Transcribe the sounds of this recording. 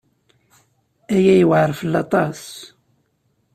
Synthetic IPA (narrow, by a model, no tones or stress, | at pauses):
æjæjəwʕɾˤfəlːɑt̪ˤɑs